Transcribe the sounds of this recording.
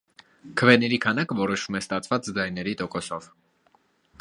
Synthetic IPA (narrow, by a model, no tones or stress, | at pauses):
kʰəvɛnɛɾikʰɑnɑkəvɔɾɔʃumɛst̪ɑt͡sʰvɑt͡sd͡zɑjnɛɾit̪ɔkɔsɔv̥